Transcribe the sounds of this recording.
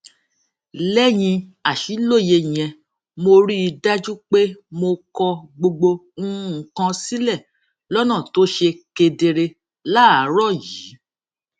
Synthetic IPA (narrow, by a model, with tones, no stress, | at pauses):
lɛ˦j̃ĩ˧a˨ʃi˨˦lo˦˨je˧˨ɛ̃˧ | mo˧ɾi˦i˧da˦d͡ʒu˦k͡pe˦mo˧kɔ˧ɡ͡bo˧ɡ͡bo˧ŋ̩̃˦˨kã˧si˦lɛ˦˨ | lɔ˦nã˦˨to˦ʃe˧ke˧de˧ɾe˧ | la˦˨a˨˦ɾɔ˦˨ji˨˦